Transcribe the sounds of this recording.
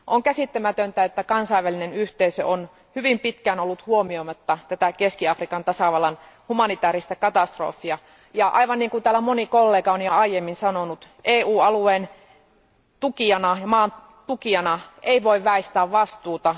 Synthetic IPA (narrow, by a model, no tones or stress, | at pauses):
ʔoŋkæsit̪ːemæt̪ønt̪æet̪ːækɑnsɑiʋælinenyht̪eisø̰ʔon | hyʋimpit̪kænolːut̪huomiomɑt̪ːɑt̪æt̪ækeskiɑfrikɑnt̪ɑsɑʋɑlɑn | humɑnit̪æːɾist̪ɑkɑt̪ɑst̪ro̰fːˑiɑ | jɑʔɑ̰iʋɑnniːŋkunt̪æːlːæmonikolːeːkɑonjɑɑijemːinsɑnonut̪ | ʔeːuːɑlueːn | t̪ukiɑnɑjɑmɑːn | t̪ukiɑnɑeiʋoiʋʋæist̪æːʋʋɑst̪uːt̪ɑ